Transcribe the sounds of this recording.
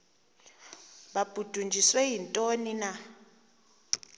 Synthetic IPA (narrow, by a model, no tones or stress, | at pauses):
ɓab̥ʱud̥ʱund͡ʒʱiswɛjintʼonina